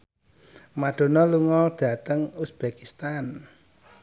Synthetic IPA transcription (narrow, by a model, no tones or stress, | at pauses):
maɖ̥o̤nɔluŋɔɖ̥ä̤t̪əŋusb̥ekist̪an